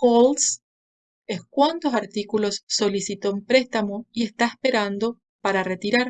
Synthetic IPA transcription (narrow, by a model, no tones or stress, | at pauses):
kols | eskwant̪o̞saɾt̪ikulo̞sːo̞lisit̪ompɾest̪amoiest̪aespe̞ɾand̪o̞ | paɾaret̪iɾaɾ